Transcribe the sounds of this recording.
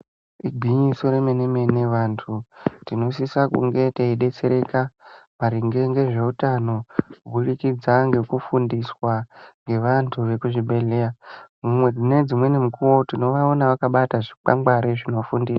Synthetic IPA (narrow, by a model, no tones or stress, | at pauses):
iɡʱwiɲiso̞ɾemeneme̞ne̞ʋantʰutino̞sisakṵŋɡe̞teiɗe̞t͡se̞ɾe̞kamaɾiŋɡe̞ŋɡe̞ʐe̞utano̞uɓurikid͡zaŋɡe̞kufundiswaŋɡe̞ʋantʰuʋe̞kuʐibe̞leamumwe̞d͡zine̞d͡zimwe̞nimukuwo̞tino̞ʋaonaʋakaɓataʐik͡pa̰ŋɡaɾeʐino̞fundiːsa